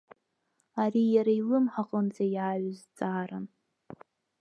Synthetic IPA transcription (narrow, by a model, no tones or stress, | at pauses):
arijaɾailɨmħaqʼənd͡zajaɥzd͡zaːɾan